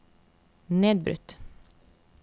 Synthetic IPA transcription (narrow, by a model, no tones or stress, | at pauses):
neːd̪̚bɾʉ̰t̪